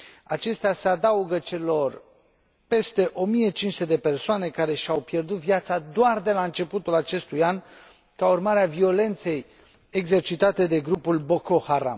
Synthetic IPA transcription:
at͡ʃe̞st̪easead̪auɡət͡ʃe̞lo̞r | pe̞st̪e̞ʔo̞mije̞t͡ʃinsut̪ed̪e̞pe̞rsoane̞kaɾe̞ʃiawpje̞rd̪ut̪vijat̪sad̪oard̪e̞laɨnt͡ʃe̞put̪ulat͡ʃe̞st̪ujan | kaurmaɾeavio̞le̞nt̪se̞j | eɡze̞rt͡ʃit̪at̪e̞d̪e̞ɡɾupulbo̞ko̞haɾa̰m

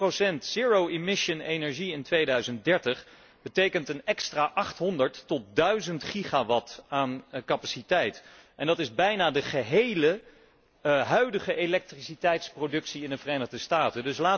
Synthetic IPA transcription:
rosɛntsiːɹowemɪʃənejnɛɹʒiɪntʋejdœɥzənt̚dɛɹtəχ | bətejkəntənɛkstraːʔɑχtɦɔndəɹtːɔt̚dœɥzəntχiχaʋɑtaːnkɑpasitɛjt | ʔɛndɑtɪzbɛjnaːdəχəɦejlə | ɦœɥdəχəʔelɛk̚trisitɛjtsprodɵksiɪndəvərejnəχdəstaːtəndɵslaː

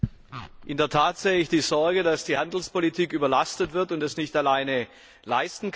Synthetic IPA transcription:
ʔɪndeɐtʰaːtz̥eːəɪçd̥iːzɔɐɡədasd̥iːhandl̩spolitʰiːkʔyːbɐlastətv̥ɪɐtʊntɛsnɪçtalaɪnə | laɪstn̩k

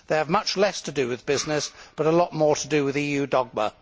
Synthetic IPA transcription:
ðeɪəvmʌt͡ʃlɛstʰədɨwɪðbɪznɪsb̥ʌɾəlɔʔ̚mɔɹɾʰədɨwɪðijʉːdɒɡ̚mə̰

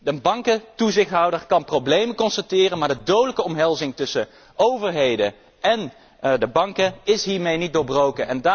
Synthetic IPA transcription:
əbɑŋkətuzɪχtɦɑwdəɹkɑnprowblejməkɔnstatɪːrənmaːɹdədowdələkəɔmɦɛlˠzɪŋtɵsə | owvəɹɦejdə | ɛn | dəbɑŋkəɪsɦiːɹmejnit̚doːɹbrowkənʔɛnda

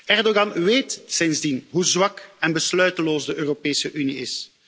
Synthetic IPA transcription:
ɛrdoɣɑnʋeːtsɪnzdinɦuzʋɑkɛnbəslœɥtəloːzdəøːropeːsəʔyniɪs

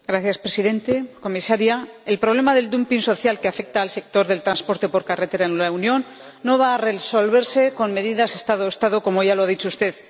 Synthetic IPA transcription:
ɡɾaθjaspɾe̞siðe̞nt̪e̞ko̞misaɾjae̞lpɾoβle̞maðe̞ld̪umpinso̞θjalkeafe̞k̚t̪aːlse̞k̚t̪o̞ɾðe̞lt̪ɾanspo̞ɾt̪e̞po̞ɾkare̞t̪e̞ɾaenlaunjo̞nː | o̞βaːre̞so̞lβe̞ɾse̞ko̞nme̞ðiðase̞st̪aðoest̪aðo̞ko̞mo̞ʝalo̞aðit͡ʃoust̪e̞ð

